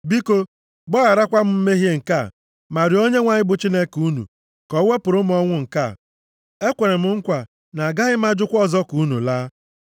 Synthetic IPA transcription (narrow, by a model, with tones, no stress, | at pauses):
bi˦ko˦ | ɡ͡bɔ˦a˨ɾa˦kʷa˦m̩˦m̩˦me˦ɦje˦ŋ̩˨ka˦˨ | ma˨ɾɪ˨˦o˦ɲe˦ŋʷa˨ɲɪ˦bʊ˨t͡ʃi˦ne˦ku˦nṵ˨ | kɔ˨˦we˦pʊ˨ɾʊ˦m̩˦ɔ˦ŋʷʊ˦ŋ̩˨ka˦˨ | e˦kʷe˨ɾe˨m̩˨ŋ̩˦kʷa˨ | na˨ɡa˦ɣɪ˦m̩˦a˦d͡ʒʊ˦kʷɔ˦zɔ˦ku˨˦nṵ˨laː˦